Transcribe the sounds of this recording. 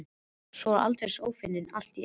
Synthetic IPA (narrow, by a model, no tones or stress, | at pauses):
sɔɾa̰lt̪eɾ̥soːwfɪnːɪnal̥t̪i